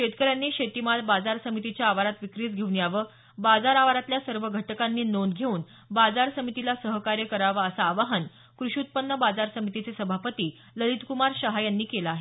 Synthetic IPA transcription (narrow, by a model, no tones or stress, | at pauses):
ɕet̪kəɾjanːiːɕet̪imalbad͡zaɾsəmit̪it͡ɕjaːʋaɾat̪ʋikɾiːt͡sɡʱewnjaʋə | bad͡zaɾaʋaɾat̪ljasəɾʋəɡʱəʈkanːiːnonɡʱeuːn | bad͡zaɾsəmit̪ilasəɦəkaɾjəkəɾaʋəəsaːʋaɦən | kɾuɕut̪̚pənːəbad͡zaɾsəmit̪it͡sesəbʱapət̪iː | ləlit̪kumaɾɕəɦajanːiːkelaːɦe